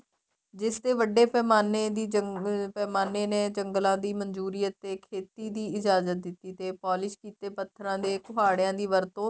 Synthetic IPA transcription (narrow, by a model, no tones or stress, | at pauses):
d͡ʒɪsd̪eːʋəɖeːpɛːmaːneːd̪iːəpɛːmaːneːneːd͡ʒəŋɡlãːd̪iːmənd͡ʒuːɾɪjət̪ːeːkʰeːt̪iːd̪iːɪd͡ʒaːzət̪̚d̪ɪt̪ːiːt̪eːpɔːlɪʃkiːt̪eːpət̪ʰːɾãːd̪eːkʊɦaːɽjãːd̪iːʋəɾt̪õː